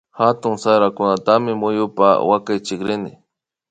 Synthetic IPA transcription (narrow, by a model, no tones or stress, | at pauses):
hat̪ʊŋsaɾakʊnat̪amɪmʊjʊpa̰wakajt͡ʃɪkɾɪnɪ̰